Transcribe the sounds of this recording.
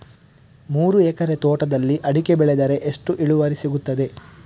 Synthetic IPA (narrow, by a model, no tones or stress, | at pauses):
muːɾuɛːkɐɾet̪oːʈɐd̪ɐlːiʔɐɽike̞bɛɭed̪ɐɾe̞ʔeʂʈuʔiɭuʋɐɾisiɡut̪ːɐd̪e̞